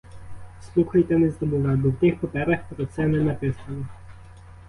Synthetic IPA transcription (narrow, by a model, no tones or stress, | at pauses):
slˠuxɐjt̪ɛnɛzd̪ɔbuʋabɔwt̪ɪxpɔpɛɾɐxpɾɔt̪sɛnɛnɐpɪsɐlˠɔ